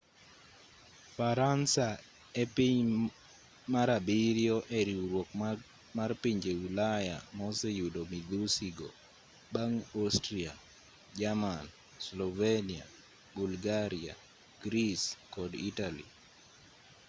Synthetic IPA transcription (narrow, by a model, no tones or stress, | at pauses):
faɾansa | epiɲ | maɾabiɾjɔʔeɾiɾwok | marpiɲd͡ʒewilaja̰mɔsejudomiɡɾusiɡo̰ | baŋostɾia̰ | d͡ʒaman | slɔvenia̰ | bulɡaɾia̰ | ɡ̥ɾiskɔdḭtalḭ